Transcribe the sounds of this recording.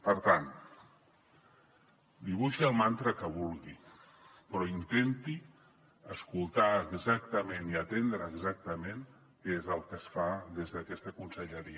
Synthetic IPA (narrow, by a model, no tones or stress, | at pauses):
pəɾt̪an | d̪iβ̞uʃiəlˠmant̪ɾəkəβulˠɣi | pɾɔint̪ent̪i | əskulˠt̪aəɡzak̚t̪əmeniət̪end̪ɾəːɡzak̚t̪əmen | kezəlˠkəsfaðezðəkɛst̪əkunsəʎəɾiə